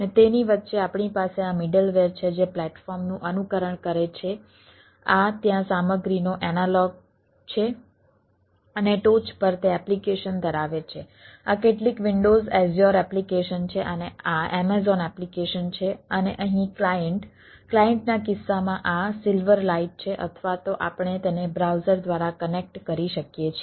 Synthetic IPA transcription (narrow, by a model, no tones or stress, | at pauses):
ənet̪eniʋət̪ːʃeapɳipaseamiɖəlʋeɾt͡ʃʰed͡ʒeplɛʈfɔɾmnũʔənukəɾəɳkəɾet͡ʃʰe | at̪jãsaməɡɾinoʔɛnalɔɡ̚ | t͡ʃʰe | əneʈot͡ʃpəɾt̪eɛplikeʃənd̪ʱəɾaʋet͡ʃʰe | akeʈlikʋɪɳɖozɛzjɔɾɛplikeʃənt͡ʃʰeʔəneaɛmezɔnɛplikeʃənt͡ʃʰeəneʔəɦĩklajəɳʈ | klajəɳʈnakɪsːamãʔasɪlʋəɾlaiʈ̚t͡ʃʰeʔə̰t̪ʰʋat̪oʔapɳet̪enebɾawzəɾd̪ʋaɾakənek̚ʈkəɾiʃəkjet͡ʃʰ